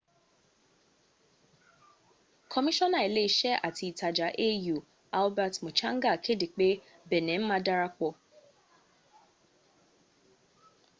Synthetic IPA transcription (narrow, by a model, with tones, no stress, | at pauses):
kʰɔ˧mi˦ʃɔ̃˦nã˨e˨le˦i˦ʃɛ˦ʔa̰˦˨ti˧˦i˨ta˨d͡ʒa˨˦ʔe˦ju˨ | a˦lbɛ˦tmo˨t͡ʃã˦ŋ̩˦ɡa˦˨kʰe˦de˨k͡pe˦ | bɛ˨nɛ̃˨˦m̩˦mãː˦da˦ɾa˧k͡pɔ˧